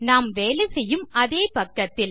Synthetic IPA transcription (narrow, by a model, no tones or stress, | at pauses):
naːmʋeːlɛsɛjːɯmʔɐðeːpɐkːɐt̪ːɪl